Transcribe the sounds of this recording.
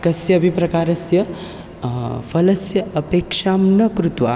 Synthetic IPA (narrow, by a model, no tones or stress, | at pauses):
kɐsjɐːbʱipɾɐkaːɾɐsjɐ | pʰɐlɐsjɐɐpeːkʃaːmnɐkɾut̪ʋa̰